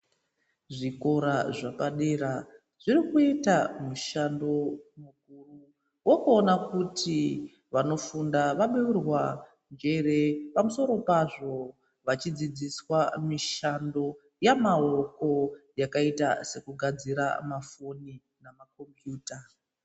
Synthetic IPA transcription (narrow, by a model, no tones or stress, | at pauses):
ʐiko̞ɾaʐapaɗeɾa | ʐ̥irikuitamuʃando̞mukuru | wo̞kuonakuti | ʋano̞fundaʋaɓiʋirwa | nd͡ʒe̞ɾe̞pamuso̞ɾo̞paʐo̞ | ʋat͡ʃid͡zid͡ziswamiʃando̞ | jamao̞ko̞jakaitase̞kuɡʱad͡ziɾa̰mafo̞ni | namako̞mpjuːta